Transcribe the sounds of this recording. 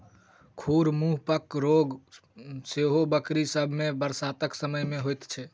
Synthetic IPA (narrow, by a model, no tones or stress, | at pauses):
kʰuɾmuɦpəkɾoɡ | seɦobəkɾisəbʱmebəɾsat̪əksəməjmeɦojt̪t͡ʃʰɛ